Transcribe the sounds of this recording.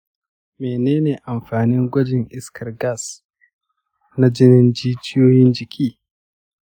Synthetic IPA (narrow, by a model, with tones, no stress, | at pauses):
meː˨neː˦neː˨ʔa˨mɸaː˨nɪ˦ŋɡʷɐ˦d͡ʒɪ˨ŋʔɪ˦skʰɐ˨rɡa˦˨s | na˦d͡ʒɪ˦nɪ˦nd͡ʒiː˦t͡ʃɪ˦joː˦jɪ˦nd͡ʒɪ˨kʲʰiː˦